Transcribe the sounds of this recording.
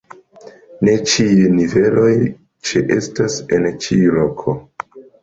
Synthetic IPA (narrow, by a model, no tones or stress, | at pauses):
ne̞t͡ʃiunive̞lo̞j | t͡ʃeʔe̞stase̞nt͡ʃilokʰo̞